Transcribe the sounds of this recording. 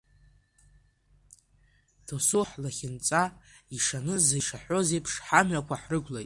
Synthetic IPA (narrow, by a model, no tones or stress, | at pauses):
tʰosuħlaχʲɪnt͡sʼaiʂanɨzaʂaħᶣʷo̞zejpʰʂħamɥakʷʰaħrɨɡʷlajʼ